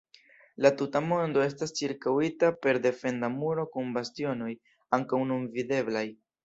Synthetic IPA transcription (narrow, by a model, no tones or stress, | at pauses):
latutamo̞ndo̞e̞s̬tast͡ʃiɾkawitape̞ɾd̪e̞fe̞ndamuɾo̞kunbastio̞no̞j | aŋkawnunvide̞blaj